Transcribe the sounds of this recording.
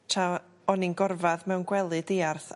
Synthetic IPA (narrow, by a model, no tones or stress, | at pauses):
tʰa | ɔninɡɔrvaðmɛwnɡwɛlˠɨdeːarθ